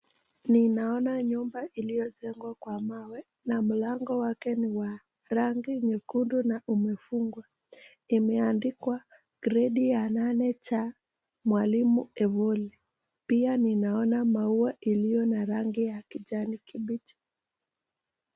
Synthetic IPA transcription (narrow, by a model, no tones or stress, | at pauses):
ninaɔnaɲumbaʔilijɔʄɛŋɡwakwamawɛ | nam̩laŋɡɔwakɛniwa | ɾaŋɡiɲɛkundunaʔumɛfuŋɡwa | imɛandikwa | kɾɛɗijananɛt͡ʃa | mwalimuɛvɔli | pianinaɔnamauaʔilijɔnaɾaŋɡijakiʄanikiɓit͡ʃḁ